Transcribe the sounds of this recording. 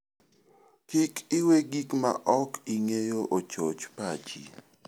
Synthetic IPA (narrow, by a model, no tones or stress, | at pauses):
kikɪweɡikma̰ʔɔkiŋejoʔot͡ʃot͡ʃpad͡ʒḭ